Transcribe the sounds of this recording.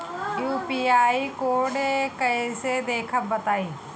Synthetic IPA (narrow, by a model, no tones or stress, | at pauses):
juːpiːaːikoːɽekəised̪eːkʰəbbət̪aːiː